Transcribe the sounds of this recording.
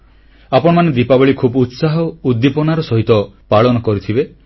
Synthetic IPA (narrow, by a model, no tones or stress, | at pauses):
apɔɽ̃ɔmaned̪ipabɔɭikʰubut̪saɦɔud̪ːipɔnaɾɔsɔɦit̪ɔpaɭɔnɔkɔɾit̪ʰibe